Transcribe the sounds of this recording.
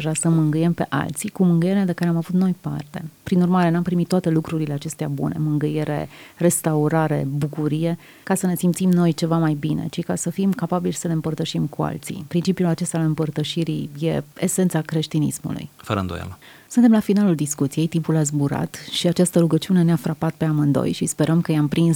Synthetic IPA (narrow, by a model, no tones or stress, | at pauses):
ʒasəmɨŋɡɨje̞mpe̞ʔa̰lt̪sikumɨŋɡɨjeɾead̪ekaɾe̞amavut̪no̞jpa̰rt̪e̞pɾinurmaɾe̞nampɾimit̪ːoat̪e̞lukɾuɾile̞at͡ʃe̞st̪eabṵne̞̰mɨŋɡɨje̞ɾe̞̰re̞st̪auɾaɾe̞̰bukuɾije̞ | kasəne̞simpt̪simno̞jt͡ʃe̞vamajbine̞̰t͡ʃikasəfimkapabilʲsəle̞ɨmpərt̪əʃimkua̰lt̪sḭpɾint͡ʃipijulat͡ʃe̞st̪alɨmpərt̪əʃiɾije̞ese̞nt̪sakɾe̞ʃt̪inḭsmṵlṵjfəɾə̰nd̪oja̰l | sunt̪e̞mlafinaluld̪iskut̪sije̞jt̪impulas̬buɾa̰t̪ʃiat͡ʃast̪əɾuɡət͡ʃiune̞neafɾapat̪̚pe̞amɨnd̪o̰jʃispe̞ɾʔəmkəjeampɾins